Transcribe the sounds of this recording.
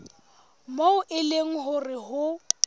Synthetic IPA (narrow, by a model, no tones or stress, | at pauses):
moʊʔɪleŋ̩ɦʊrɪɦʊ